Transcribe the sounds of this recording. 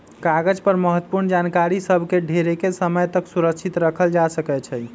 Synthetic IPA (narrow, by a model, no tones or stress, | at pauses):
kaɡəd͡ʒpəɾməɦət̪wə̥puɾnd͡ʒankaɾisəbʱkeɖʱeɾekesəməjt̪əksuɾək̚t͡ʃʰit̪ɾəkʰəld͡ʒasəkɛt͡ʃʰɛj